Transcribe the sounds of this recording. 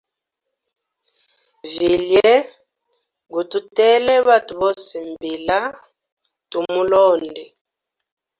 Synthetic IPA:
vi˨ljɛ˦ | ɡu˨tu˦tɛ˦lɛ˦βa˦tu˨βɔ˦si˨mbi˨la˦ | tu˨mu˦lɔ˦˨ndɛ˨

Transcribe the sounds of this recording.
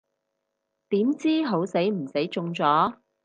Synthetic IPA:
t̪iː˨˥mt͡siː˥ɦo˨˥wse˨˥jm̩˨˩se˨˥jt͡ʃʊ˧ŋt͡sɔː˨˥

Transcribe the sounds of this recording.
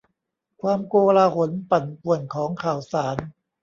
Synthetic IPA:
kʰwaː˧mkoː˧laː˧ɦo˨˩˦npa˨˩npu˨˩ənkʰɔː˩˦ŋkʰaː˨˩wsaː˩˦n

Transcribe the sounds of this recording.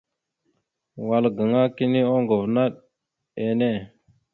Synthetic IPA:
wa˨lɡə˨ŋa˦ki˦ni˦o˦ŋɡu˨vna˦ɗ | e˨ne˦˨

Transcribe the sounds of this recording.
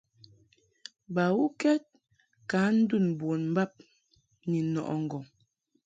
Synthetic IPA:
ba˨wu˦kɛ˦t̚ | ka˨˦n̩˦du˦˨nbwo˨nm̩˦ba˦˨p̚ | ni˨˦nɔ̰˨ʔɔ̰˨ŋ̩˨ɡɔ˨

